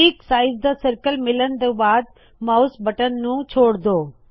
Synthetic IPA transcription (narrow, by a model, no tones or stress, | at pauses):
iːksaːɪzd̪əsɐɾkəlmɪlənɪ̆d̪əbaːd̪̚ | maːʊsbɐʈənnũːt͡ɕʰoːɽd̪oː